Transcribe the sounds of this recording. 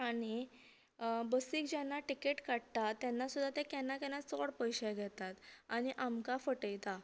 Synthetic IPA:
aɽ̃i | bəsiːkd͡ʑɛnːaʈikeʈkaɽt̪at̪ːɛnːasud̪ʱːat̪ekɛnːakɛnːat͡sɔɽpəjɕɛɡʱɛt̪at̪aɽ̃iʔamkafəʈəjt̪a

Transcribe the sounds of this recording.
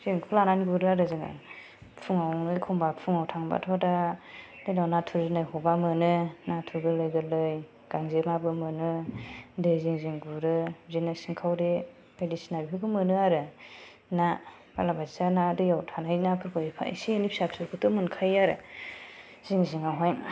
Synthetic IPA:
ziŋkʰulananɡuɾɯaɾɯziŋa̰ | pʰuŋawlɯjkʰɔmbapʰuŋawtʰaŋba̰tʰɔdadɯjnawnatʰuɾzɯnajɦɔbamɯnɯnatʰuɾɡɯlɯjɡɯlɯj | ɡ̥aŋzemabɯmɯnɯdɯjziŋziŋɡuɾɯzinɯsiŋkʰawɾi | edisinabiɦɯɡɯmɯnɯaɾɯ | na | b̥alabazsanadɯjawtʰanajnapʰɯɾkʰɯipʰa̰ḭsinipʰisap̚sʰuɾkʰɯtɯmɯnkʰajaɾɯ̰ | z̥iŋziŋawɦaj

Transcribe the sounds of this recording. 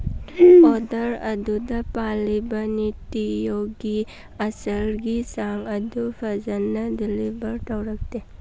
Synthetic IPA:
ɔd̪əɾɐ̰d̪ʱud̪ɐpalibənit̪ijoɡi | ɐsəlɡisaŋəd̪ʱufʰɐzənːəd̪ɪlibəɾʈəwɾək̚t̪e

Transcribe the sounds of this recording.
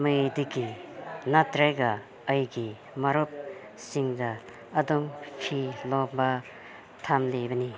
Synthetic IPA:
majdiɡinatɾajɡaː | jɡi | maɾɔp̚ | siŋdaː | dɔmpʰilɔba | tʰamlebɐni

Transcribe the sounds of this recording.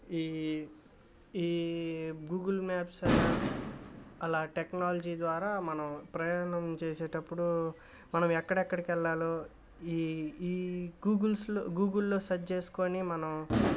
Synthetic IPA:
iː | iː | ɡuːɡɐlmaːps | ɐlaːʈeknaːlɐd͡ʒiːd̪ʋaːɾaːmɐnɐmpɾɐjaːnɐmt͡ʃeːseːʈɐpːuɽu | mɐnɐmɛkːɐɽɛkːɐɽikɛlːaːloː | iː | ɡuːɡlslɡuːɡulːo̞ːsɐt͡ʃe̞ːsu̥konimɐnɐm

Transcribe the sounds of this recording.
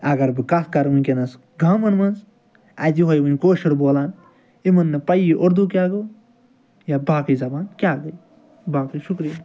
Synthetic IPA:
ɐɡɐɾbɨkɐskɐɾʋɨnʲkʲenɐs | ɡʱãːmɐnmɐnz | ɐd͡ʒiɦoːjʋɨnʲkoːʃiɾboːlaːn | imɐnːɨpɐjiʔoɾd̪uk̬ʲaːɡoː | jabaːkɨzɐbaːnkʲaːɡɐi | baːkɨʃukɾija

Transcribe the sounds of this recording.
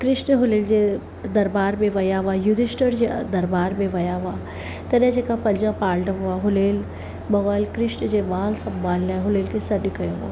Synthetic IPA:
kɾɪʃɳɦʊleːld͡ʑe | d̪ɐɾbaːɾmẽʋɐjaʋajud̪iʃʈəɾd͡ʑed̪ɐɾbaːɾmẽʋɐjaʋa | t̪ɐnẽd͡ʑeːkãpɐ̃ld͡ʒãpaːlɖɐmʋaɦʊleːl | bɐʋəlkɾɪʃɳd͡ʑemaːlsɐ̃mbʱaːlnaɦʊleːlkesɐdikɐjoʋo̰

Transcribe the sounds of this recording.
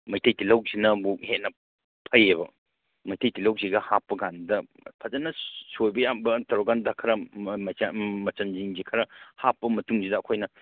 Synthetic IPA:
mɐjtʰɐjtilɐwzinɐbuhet̚nɐ | pʰɐjebɐ | mɐjtʰɐjtʰilɐwziɡɐhapːɐɡandɐ | pʰɐzɐnɐsojbɐjambɐtɐɾɔɡandɐkʰɐɾɐ | mɐt͡ʃɐnziŋzikʰɐɾɐhapːɐmɐtuŋzidɐːkʰojnɐ

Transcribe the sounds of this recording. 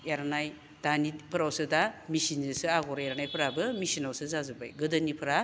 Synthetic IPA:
aɾnaj | tanipʰɯɾawsɯdamisinzɯsɯaɡɔɾaeɾanajpʰɐɾabɯmisinawsɯzazubajɡɯdɯnipʰɯɾa

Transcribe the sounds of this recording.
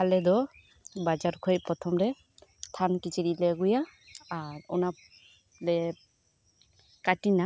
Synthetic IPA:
alɛdɔ | bad͡ʒaɾkʰɔjpɾɔt̪ʰɔmɾɛ | tʰankit͡ʃiɾilɛɡujaː | ɹɔ̰na | lɛ | katina

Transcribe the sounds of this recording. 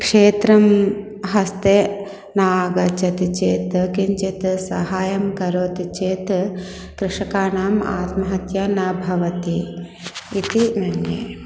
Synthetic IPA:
kʂeːt̪ɾɐm | ɦɐst̪eː | naːɡɐt͡ʃɐt̪it͡ʃeːt̪kiɲt͡ʃit̪sɐɦaːjɐmkɐɾoːt̪it͡ʃeːt̪ | kɾɪʂɐkaːnaːma̰ːt̪mɐɦɐt̪jɐnɐbʱɐʋɐt̪i | it̪imɐnjeː

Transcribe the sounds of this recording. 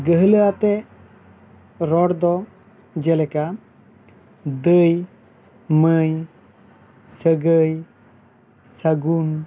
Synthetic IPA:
ɡəɦələat̪ɛ | ɾɔɽd̪ɔ | d͡ʒɛlɛka | d̪əj | məj | səɡəj | saɡun

